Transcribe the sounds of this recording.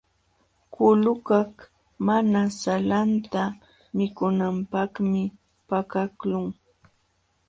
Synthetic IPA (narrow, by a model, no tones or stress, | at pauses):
kʊlʊkak | manasalant̪a | mɪkʊnampakmɪ | pakaklʊŋ